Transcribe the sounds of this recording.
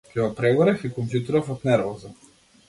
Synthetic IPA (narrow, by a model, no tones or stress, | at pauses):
kʲɛɡɔpɾɛɡɔɾɛfikɔmpjut̪iɾɔfɔt̪nɛɾvɔza